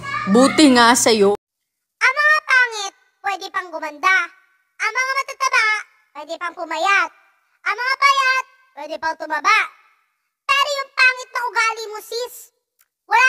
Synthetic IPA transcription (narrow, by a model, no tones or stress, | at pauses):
buːt̪ɪŋasɐjo | ʔɐŋmɐŋapaːŋɪt̪̚pwɛːd̪ɪpɐŋɡʊmɐnd̪a | ʔɐŋmɐŋamɐt̪at̪ɐbaʔ | pwɛːd̪ɛpɐŋpʊmɐjat̪̚ | ʔɐŋmɐŋapɐjat̪̚pwɛːd̪ɛpɐŋt̪ʊmɐbaʔ | pɛːɾojʊŋpaːŋɪt̪̚nɐʔʊɡaːlɪmʊsis | wɐla